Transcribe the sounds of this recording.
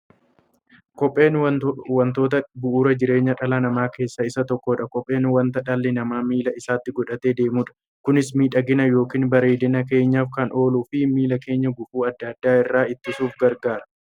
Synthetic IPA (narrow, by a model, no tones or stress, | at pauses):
kɔpʼːe̞ːnwɐnt̪o̞ːt̪ɐbʊʔuːɾɐd͡ʒɪɾe̞ːɲːɐᶑɐlɐnɐmaːke̞ːsːɐɪsɐt̪ɔkːoᶑɐkɔpʼːe̞ːnwɐnt̪ɐᶑɐlːɛnɐmaːmiːlɐɪsaːt̪ːɪɡɔᶑɐt̪e̞ːd̪e̞ːmuːᶑɐ̥ | kʊnɪsmiːᶑɐɡɪnɐjo̞ːkiːnbɐɾeːd̪ɪnɐke̞ːɲːaːfkɐnʔo̞ːluːfɪmiːlɐke̞ːɲːɐɡʊfuːɐd̪ːɐd̪ːaːɪrːaːɪt̪ːɪsuːfɡɐɾɡaːɾɐ